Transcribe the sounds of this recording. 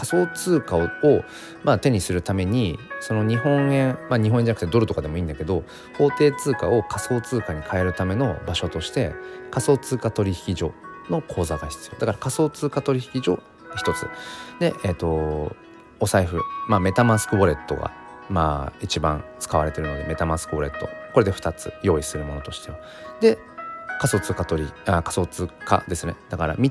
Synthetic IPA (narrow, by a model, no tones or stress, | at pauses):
kaso̞ːt͡sɨːkaoo | maːt̪e̞ɲ̟isɨɾɯ̟t̪ame̞ɲ̟iso̞no̞ɲ̟iɦõ̞ɰẽ̞ŋmaɲ̟iɦõẽɲd͡ʑanak̟t̪ed̪o̞ɾɯ̟t̪o̞kad̪emo̞ĩːnd̪ake̞d̪o̞ | ho̞ːt̪e̞ːt͡sɨːkao̞kʰaso̞ːt͡sɨːkaɲ̟ikʰae̞ɾɯ̟t̪ame̞no̞baɕo̞t̪o̞ɕi̥t̪e̞kaso̞ːt͡sɨːkat̪o̞ɾʲiçi̥kʲiʑo̞̰ːno̞kʰo̞ːzaɡaçʲi̥t͡sɨjo̞ːd̪akaɾakaso̞ːt͡sɨːkat̪o̞ɾʲiçi̥kʲiʑo̞̰ː | çi̥t̪o̞t͡sɨ̰d̪e̞ʔet̪o̞ | osaiɸɯ̟maːme̞t̪amasɨ̥kɯ̟bo̞ɾe̞t̪ːo̞̰ɡa̰ | ma̰ːit͡ɕibã̰ŋ̃t͡sɨ̥kaβaɾe̞t̪e̞ɾɯ̟no̞d̪e̞me̞t̪amasɨ̥kɯbo̞ɾe̞̰t̪ːo̞̰ko̞ɾe̞d̪e̞ɸɯ̥t̪at͡sɨ̰jo̞ːisɨɾɯ̟mo̞no̞t̪o̞ɕi̥t̪e̞βa | d̪e̞ | kaso̞ːt͡sɨːkat̪o̞ɾʲiakḁso̞ːt͡sɨːka̰d̪esɨned̪̥akaɾa̰mʲi